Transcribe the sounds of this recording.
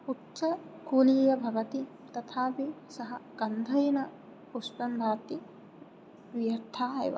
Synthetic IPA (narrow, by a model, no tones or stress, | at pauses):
utːʃɐkuːliːjɐbʱɐʋɐt̪i | t̪ɐt̪ʰaːʋisɐɦɐɡ̥ɐnd̪ʱɐjnɐ | puspɐnd̪ʱaːt̪i | ʋijɐɾt̪ʰːaːɦɐ̰jʋɐ̰